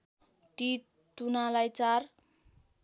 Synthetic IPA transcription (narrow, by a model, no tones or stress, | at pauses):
t̪i | t̪unalajt͡sar